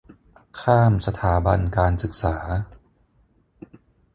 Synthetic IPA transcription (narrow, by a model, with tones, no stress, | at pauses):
kʰaː˥˩msa˧t̪ʰaː˩˦ba˧nkaː˧nsɯ˨˩k̚saː˩˦